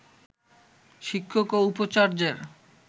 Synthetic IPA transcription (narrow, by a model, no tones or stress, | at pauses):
ʃikʰːokoupot͡ɕaɾd͡ʑeɾ